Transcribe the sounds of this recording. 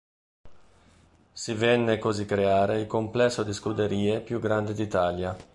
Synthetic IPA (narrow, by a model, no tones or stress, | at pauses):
sivɛnːekozikːɾeaːɾeilkomplɛsːod̪iskud̪eɾiːepjuɡːɾand̪ed̪it̪aːlja